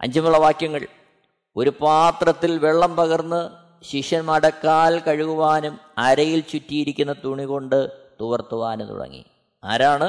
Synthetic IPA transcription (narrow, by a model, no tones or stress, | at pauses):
ʔɐ̰ɲd͡ʑɐmuɭːɐʋaːkjɐŋːɐɭ | o̞ɾupaːt̪rɐt̪ːilʋeɭːɐmpɐɣɐrnːɨ | ɕiʂɐnmɐɽɐkːaːlkɐɻuɣuʋaːnum | ɐɾɐjilt͡ɕutːijiɾikʲːunːɐt̪uɳiɣo̞ɳɖɨt̪uʋɐrt̪uʋaːnut̪ṵɽɐ̰ŋːḭ | a̰ːɾaːɳɨ